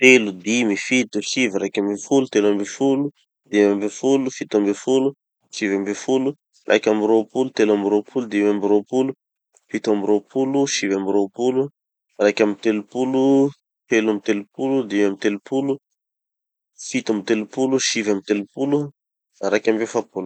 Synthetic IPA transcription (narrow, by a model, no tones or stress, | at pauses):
t̪elud̪imifit̪uʃiviɾakʲambefulut̪elambefulu | d̪imambefulufit̪ambefulu | ʃivambefulu | rʔa̰jkʲambiɾopulut̪elambiɾopʰulud̪imambiɾopulu | fit̪uambiɾopʰuluʃivambiɾopulu | rakamit̪elupulu | t̪elamit̪elupulud̪imamit̪elupulu | fit̪uamit̪elupuluʃivamit̪elupulu | ɾakʲambefapulu̥